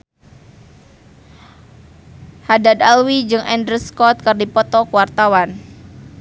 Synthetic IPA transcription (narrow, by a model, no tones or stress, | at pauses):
hadad̪alwid͡ʒɨŋʔɛndɾəskɔt̪̚kərdipɔt̪ɔkuwart̪awan